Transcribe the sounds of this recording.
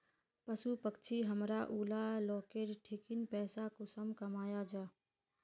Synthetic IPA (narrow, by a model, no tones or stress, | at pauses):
pəsupəkt͡ʃʰiɦəmɾaʔuːlalɔːkeɾʈʰikinpɛːsakosəmkəmaːjad͡ʒaː